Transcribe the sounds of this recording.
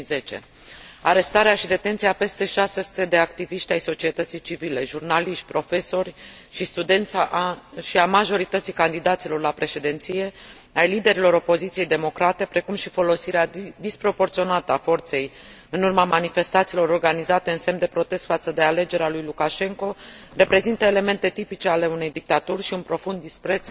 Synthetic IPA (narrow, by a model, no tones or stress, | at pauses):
zet͡ʃe̞̰ | aɾe̞st̪aɾeaʃid̪e̞t̪e̞nt̪sijape̞st̪e̞ʃasesu̥t̪e̞d̪e̞akt̪iviʃt̪ʲajso̞t͡ʃie̞t̪ət̪sijt͡ʃivile̞ʒurnaliʃt̪̚ʲpɾo̞fe̞so̞rʲ | ʃist̪ud̪e̞nt̪saʔʃiamaʒo̞ɾit̪ət̪sijkand̪id̪at̪silo̞rlapɾe̞ʃe̞d̪e̞nt̪sije̞ | ajlid̪e̞ɾilo̞ɾo̞po̞zit̪sijejd̪e̞mo̞kɾat̪e̞pɾe̞kumʃifo̞lo̞siɾead̪ispɾo̞po̞rt̪sio̞nat̪əafo̞rt̪se̞j | ɨnurmamanife̞st̪at̪silo̞ɾo̞rɡanizat̪e̞ɨnse̞md̪e̞pɾo̞t̪e̞st̪fat̪səd̪e̞ale̞d͡ʒe̞ɾealujlukaʃe̞ŋko̞re̞pɾe̞zint̪əe̞le̞me̞nt̪e̞t̪ipit͡ʃe̞ale̞une̞jd̪ik̚t̪at̪urʲʃiunpɾo̞fund̪ːispɾe̞t̪s